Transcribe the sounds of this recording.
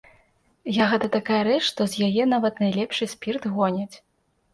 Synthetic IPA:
jaɣɛt̪ɐt̪akajɐɾɛt͡ʂʂt̪ɔzʲjajɛnavɐt̪nɐjlʲɛpʂɨsʲpʲirt̪ɣɔnʲɐt͡sʲ

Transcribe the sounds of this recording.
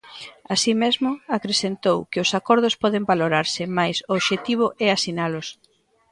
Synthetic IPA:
asimezmʊakɾesent̪owkɪʊsakɔɾð̞ʊspɔðɪmbaloɾaɾsɪmajsʊːβʃet̪iβ̞ʊʔɛasinalʊs

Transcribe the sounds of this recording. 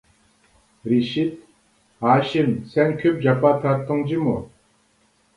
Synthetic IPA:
riɕit̪̚ | ɦaɕimsankʰøp̚d͡ʑapat̪ʰat̪oŋd͡ʑimo

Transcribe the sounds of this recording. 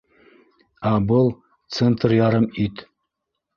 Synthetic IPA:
ɑbɤlˠ | t̪sent̪rjɑɾɤmit̪

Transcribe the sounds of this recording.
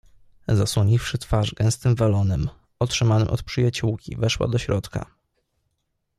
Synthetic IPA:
zaswɔɲifʂɘt̪faʐɡɛ̃w̃st̪ɘmvalɔnɛm | ɔtʂɘmanɘmʔɔ̰t̪pʂɘjat͡ɕuwkʲḭvɛʂwa̰d̪ɔɕɾɔt̪ka̰

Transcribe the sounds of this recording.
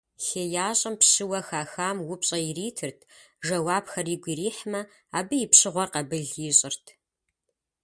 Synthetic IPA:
xeːjaːɕʼɐmpɕɨwɐxaːxaːmwʊpɕʼɐjɪriːtʰɨrtʰ | ʒɐwaːbxɐriːɡʷiːriːħmɐ | aːbɨjɪpɕɨʁʷɔrqɐbɨɮjɪɕʼɪrtʰ

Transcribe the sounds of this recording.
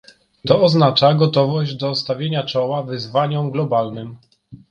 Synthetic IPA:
t̪ɔɔznat͡ʂaɡɔt̪ɔvɔʑd͡ʑd̪ɔst̪avʲjeɲat͡ʂɔwavɘzvaɲɔ̃mɡlɔbalnɘm

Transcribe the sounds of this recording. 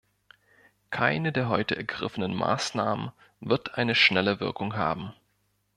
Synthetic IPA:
kʰaɪnədeːɐɦɔʏtəʔɛɐɡʁɪ̰fənənma̰ːsnaːmən | vɪɐtʰʔaɪnəʃnɛləvɪɐkʊŋɦa̰ːbm̩

